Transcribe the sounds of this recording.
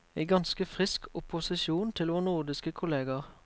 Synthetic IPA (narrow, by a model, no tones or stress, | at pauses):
eɪɡɑnskəfʁɪskʊpʊsɪʃuːnt̪ʰɪlʋoːʁnʊʁd̪ɪskəkʰʊleːɡɑʁ